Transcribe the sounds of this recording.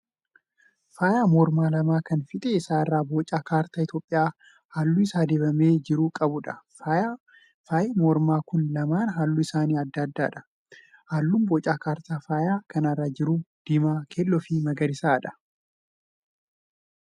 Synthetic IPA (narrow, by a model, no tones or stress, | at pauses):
faːjaːmɔːɾmaːlɐmaːkɐnfɪt̪ʼeɪsaːrːaːboːt͡ʃʼaːkaːɾt̪aːɪt̪jo̞ːpʼːɪjaː | haːlːʊɪsaːd̪eːbɐmeːd͡ʒɪɾuːkʼɐbʊᶑɐfaa | faːjemɔɾmaːkʊnlɐmaːnɦaːlːuɪsaːniːɐd̪ːɐd̪ːaːᶑɐ̥ | haːlːuːmboːt͡ʃʼaːkaːɾt̪aːfaːjaːkɐnɐrːaːd͡ʒɪɾuːd̪̥ɪmaːkʰeːlːɔfimɐɡɐɾɪsaːᶑɐ̥